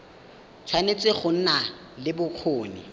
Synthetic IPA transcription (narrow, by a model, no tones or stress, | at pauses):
t͡sʰwanet͡sʼeχʊn̩na | lɪbʊq͡χʰoːnɪ̰